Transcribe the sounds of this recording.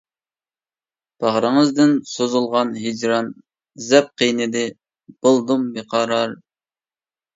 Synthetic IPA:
b̥ɑʁɾəŋəzd̪ɪnsozulˠʁɑnɦid͡ʒɾɑn | zɛp̚qʰijnɨd̪ɪ | b̥ɨlˠd̪umbeqʰɑɾɑɾ

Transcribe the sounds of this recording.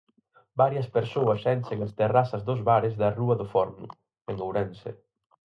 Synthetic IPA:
baɾjɐspeɾsoɐsɛnʃeŋɐst̪erasɐzðozβaɾɪzðɐruɐðʊfɔɾnʊ̰ | eŋowɾɛnsḛ

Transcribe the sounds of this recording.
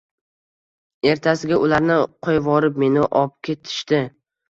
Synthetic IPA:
e̞ɾt̪ʰasɪɡʲaʔʊlaɾnɪqʰojvɒɾɪpme̞nɪʔɒp̚kʲʰe̞t̪ʰɪ̥ʃt̪ɪ

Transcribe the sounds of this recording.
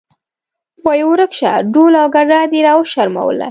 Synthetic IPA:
wajwɾəkʃa̰ɖolawɡaɖɑd̪iɾɑwəʃaɾma̰w̰la̰

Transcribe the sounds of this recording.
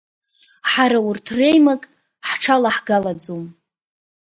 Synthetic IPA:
ħaɾaʊrtʰre̞jmakʼ | ħʈ͡ʂʰalaħɡalad͡zom

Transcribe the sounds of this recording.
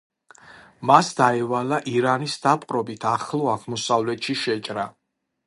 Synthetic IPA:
masd̪aɛvalaʔiɾanisd̪apʼqʼɾɔbit̪ʰaχlˠɔaʁmɔsavlɛt̪ʃiʃɛt͡ʃʼɾa

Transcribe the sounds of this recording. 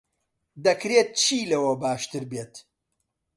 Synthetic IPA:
d̪ɐkɾeːt̪̚t͡ʃʰiːlɐwɐbaːʃt̪ɨɾbeːt̪

